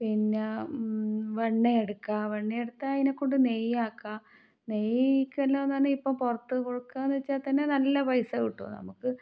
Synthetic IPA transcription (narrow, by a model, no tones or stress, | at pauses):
pinːe | ʋeɳːɐeɽukːaʋeɳːɐjeɽut̪ːajinekːoɳɖɨnejaːkːa | nejikʲːelːɐɐnːd̪aːnɨipːɐmpurɐt̪ːɨkoɻukːaːnet͡ɕːaːt̪ɐnːenɐlːɐpɐjsɐkiʈːo̰ːnɐ̰mukːɨ